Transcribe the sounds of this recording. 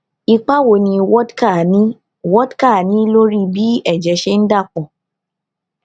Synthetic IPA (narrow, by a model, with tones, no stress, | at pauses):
i˧k͡pa˦wo˨nĩ˧wɔ˦dka˦˨nĩ˦ | wɔ˦dka˦˨nĩ˦lo˦ɾi˦bi˦ɛ˦˨d͡ʒɛ˨˦ʃe˧n̩˦da˦˨k͡pɔ˨